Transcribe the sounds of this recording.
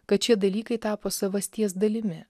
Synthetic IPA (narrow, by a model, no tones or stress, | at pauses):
kɐt̪̚t͡ʃʲiɛd̪ɐlʲiːkɐɪt̪ɑːpoːsɐʋɐsʲt̪ʲiɛsd̪ɐlʲɪmʲɪ